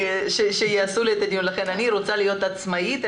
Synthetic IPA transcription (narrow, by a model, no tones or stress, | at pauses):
ʃeʃejeasulet̪ad̪ijunlaχe̞naniɾo̞t͡salijo̞t̪at͡smait̪